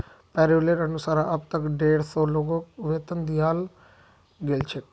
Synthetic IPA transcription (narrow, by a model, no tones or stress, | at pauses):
pɛːɾeleɾənʊsaːɾãʔəb̚t̪əkɖeːɽsɔːloːɡõkʋeːt̪ənd̪iːaːl | ɡelt͡ʃʰek